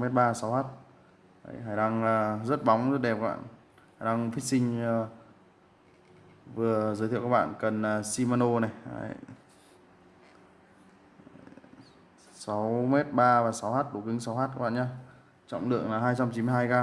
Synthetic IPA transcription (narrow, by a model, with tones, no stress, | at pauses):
me˦˥t̚ɓaː˧˨sa˨˦whaː˦˥t̚ | hə̰˧˨˦jɦaː˧˩jɗa˧ŋː˨˩zə˦˥t̚ɓɔ˨˦wŋ͡mzə˦˥t̚ɗɛ˨˩p̚a˦˥ɓa̰ː˧˨n | ha˨˩jna˧ŋfi˦˥k̚sï˧ŋ̟˧ | vɨ˨˩əzəː˨˦t̪ʰḭ˧˨wka˦˥˩ɓa̰ː˧˨nkə˨˩nː˨˩si˧maː˧no˧na˨˩ja̰˧˨˦j | sa˨˦wmɛ˦˥t̚ɓaː˧vaː˨˩sa˨˦whaː˦˥t̚ɗo˧˩kï˨˦ŋ̟sa˨˦wɦaː˦˥t̚kaː˦˥ɓ̰ːɲaː˧ | t͡ɕɔ̰˧˨ŋ͡mɗɨ̰˧˨əŋlaː˨˩ɦaː˧jt͡ɕa˧mt͡ɕi˧˦mɨ˧jɦaː˧jkaː˧